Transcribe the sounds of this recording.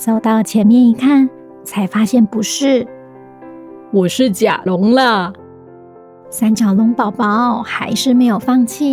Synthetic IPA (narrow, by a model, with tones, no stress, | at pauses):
so˨˩ʊt̪ɑ˥ʊlə˩t͡ɕʰjɛ˧˥nmjɛ˥˩ni˧˥kʰa˥˩n | t͡sʰa˧˥ɪfa˥ɕjɛ˥˩npu˧˥ʂɻ̩˥˩ | wɔ˨˩ʂɻ̩˥˩t͡ɕja̰˨˩lʊ˧˥ŋlə˧ | sa˥nt͡ɕjɑ˨˩lʊ˧˥ŋpɑ˨˩ʊpɑ˧˥ʊxa˧˥ɪʂɻ̩˥˩me˧˥ɪjo˨˩ʊfɑ˥˧ŋt͡ɕʰi˥˩